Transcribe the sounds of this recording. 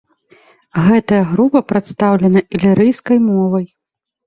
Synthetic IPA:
ɣɛt̪ɐjɐɣɾupɐpɾat̪st̪awlʲɐnɐʔilʲiɾɨjskɐjmɔvɐj

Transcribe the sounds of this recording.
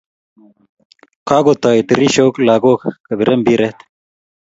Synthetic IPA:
kaːɡot̪aːiʈiɾiɕoːklaːɡoːkkɐbiɾʔɐmbiɾet̪

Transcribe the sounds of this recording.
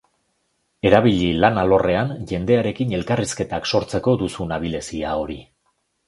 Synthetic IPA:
e̞ɾaβ̞iʎilanalo̞re̞anʝe̞nd̪e̞aɾe̞kine̞lkariske̞t̪akso̞ɾt͡se̞ko̞d̪usunaβ̞ile̞siao̞ɾi

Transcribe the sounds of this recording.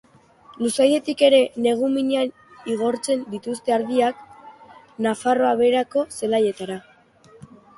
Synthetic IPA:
lusaje̞t̪ike̞ɾe̞ne̞ɣ̞umiɲean | iɣ̞o̞ɾt͡se̞nd̪it̪ust̪e̞aɾðiak | nafaro̞aβe̞ɾako̞se̞laje̞t̪aɾa

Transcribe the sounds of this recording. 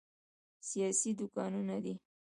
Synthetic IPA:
sijɑsid̪ʊkɑnunad̪i

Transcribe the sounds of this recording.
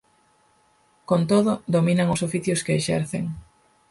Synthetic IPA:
kont̪oðʊd̪ominaŋʊsofiθjʊskeːʃɛ̰ɾθḛŋ

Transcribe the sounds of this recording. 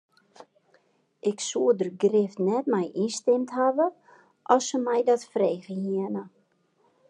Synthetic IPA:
ʔɪksuədərɡrɪftnɛtmɛjʔinstɪmtɦavə | ʔɔsəmɛjdɔtfreːɣəhiənə

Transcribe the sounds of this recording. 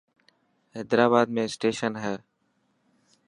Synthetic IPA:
ɛːd̪ɾaːβaːd̪mẽːsʈeːʃənɦɛː

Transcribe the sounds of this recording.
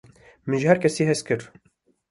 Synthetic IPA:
mɨnʒɪhɛɾkʰɛsiːɦɛs̚kɨɾ

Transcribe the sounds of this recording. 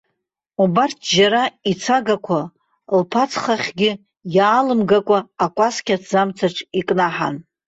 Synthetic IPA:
ubartʰd͡ʒaɾait͡sʰaɡakʷʰa | lpʰat͡sʰχaχʲɡʲɪ | jaːlɨmɡakʷʼaːkʷʼaskʲʼatʰd͡zamt͡sʰaʈ͡ʂʰʼikʼnaħa̰n

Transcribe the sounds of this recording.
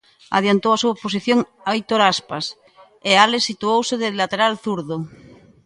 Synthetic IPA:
a̰ðjant̪owasuaposiθjoŋ | aojt̪oɾaspas | ealesːit̪uowseðelːat̪eɾalθuɾðo

